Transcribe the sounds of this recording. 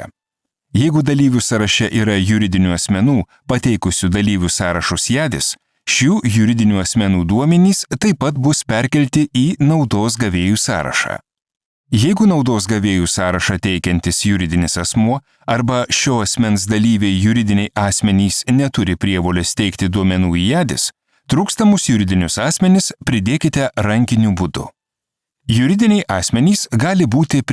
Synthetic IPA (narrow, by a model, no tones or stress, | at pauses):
jɛɪɡʊd̪ɐlʲiːʋʲusɐɾɐʃʲɛʔiːɾɐjʊɾʲɪd̪ʲɪnʲuːɐsʲmʲɛnuː | pɐt̪ʲɛɪkʊsʲud̪ɐlʲiːʋʲʊsɑːɾɐʃʊsjæːd̪ʲɪs | ʃʲuːjʊɾʲɪd̪ʲɪnʲuːɐsʲmʲɛnuːd̪uɔmʲɛnʲiːst̪ɐɪpɐt̪bʊspʲɛɾʲkʲɛlʲt̪ʲɪiːnɒʊd̪oːs̬ɡɐʋʲeːjuːsɑ̰ːɾɐ̰ʃɑ̰ː | jɛɪɡʊnɒʊd̪oːs̬ɡɐʋʲeːjusɑːɾɐʃɑːt̪ʲɛɪkʲɛnʲt̪ʲɪsjʊɾʲɪd̪ʲɪnʲɪsɐsmuɔ | ɐɾbɐʃʲoːɐsʲmʲɛns̬d̪ɐlʲiːʋʲeːɪjʊɾʲɪd̪ʲɪnʲɛɪʔɑːsʲmʲɛnʲiːsnʲɛt̪ʊɾʲɪpʲɾʲiɛʋoːlʲɛst̪ʲɛɪkt̪ʲɪd̪uɔmʲɛnuːijæːd̪ʲɪ̰s | t̪ɾuːkst̪ɐmʊsjʊɾʲɪd̪ʲɪnʲʊsɑːsʲmʲɛnʲɪspʲɾʲɪd̪ʲeːkʲɪt̪ʲɛɾɐŋʲkʲɪnʲuːbʊd̪ʊ̰ | jʊɾʲɪd̪ʲɪnʲɛɪʔɑːsʲmʲɛnʲiːsɡɑːlʲɪbuːt̪ʲɪpʲ